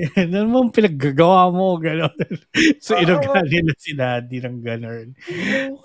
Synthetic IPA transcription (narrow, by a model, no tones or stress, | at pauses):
nɐnmoŋpɪnɐɡ̚ːaɡɐwaːmo̞ɡɐnonsoʔɪnɐɡaːnɪnɐsɪnad̪inɐŋɡɐnon